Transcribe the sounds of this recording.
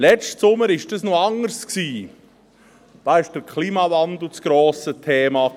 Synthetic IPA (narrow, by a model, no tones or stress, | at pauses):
lɛstsʊməɾɪʃd̥ɑsnoɑŋəɾsksiː | d̥ɑːɪʃd̥əɾkʰliːmɑvɑnd̪l̩t͡sɡ̥ɾoːsətʰeːmɑ